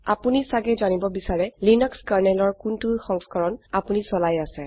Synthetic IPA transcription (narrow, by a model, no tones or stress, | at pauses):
a̰punisaɡɛzanibɔbisaɹɛlinɔkskaɹnɛlɔɹkuntuxɔŋskɔɹɔnapunisɔlajasɛ